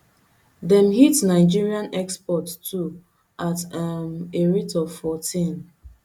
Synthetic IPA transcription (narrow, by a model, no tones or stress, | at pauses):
dɛ̃mhitnaɪd͡ʒiɹiãnɛkspɔttʰu | ʔatmeɹitɔvfɔtʰĩn